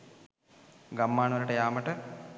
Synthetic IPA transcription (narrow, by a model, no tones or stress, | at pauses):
ɡɐmːaːɳɐʋɐɾɐʈɐjaːmɐʈɐ